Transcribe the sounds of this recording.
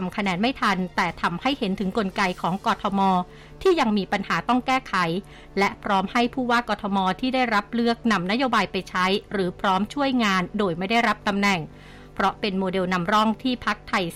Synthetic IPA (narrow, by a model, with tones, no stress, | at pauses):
mkʰa˧nɛː˨˧nma˥˩jt̪ʰa˧nt̪ɛː˨˩t̪ʰa˧mha˥˩jhe˩˦nt̪ʰɯ˩˦ŋko˧nka˧jkʰɔː˩˦ŋkɔː˧t̪ʰɔ˧mɔː˧ | t̪ʰiː˥˩ja˧ŋmiː˧pa˧nhaː˩˦t̪ɔ˥˩ŋkɛː˥˩kʰa˨˩˦j | lɛ˦˥ʔpʰɾɔː˦˥mha˥˩jpʰuː˥˩waː˥˩kɔː˧t̪ʰɔ˧mɔː˧t̪ʰiː˥˩daː˥˩jɾa˦˥p̚lɯ˥˩ək̚na˧mna˦˥joː˧baː˧jpa˧jt͡ɕʰa˦˥jɾɯː˩˦pʰɾɔː˦˥mt͡ɕʰu˥˩əjŋaː˧ndoː˧jma˥˩jda˥˩jɾa˦˥p̚t̪a˧mnɛ˨˩ŋ | pʰɾɔ˦˥pe˧nmoː˧de˧wna˧mɾɔ˥˩ŋt̪ʰiː˥˩pʰa˦˥k̚t̪ʰa˧j